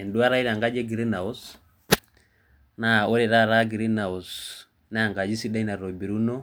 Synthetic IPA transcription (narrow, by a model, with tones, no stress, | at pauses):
ɛ˨ndu˦a˦ɾa˦i˦ɾa˨ŋɡa˦d͡ʒɛ˦ɡi˨ɾe˦na˨ɔ˦s | na˨o˦ɾɛ˨ɾa˦ɾa˦ɡi˨ɾi˦na˨ɔ˨s | na˦a˨ŋɡa˨d͡ʒi˦si˦da˦i˦na˨ɾɔ˨bi˨ɾu˦nɔ˦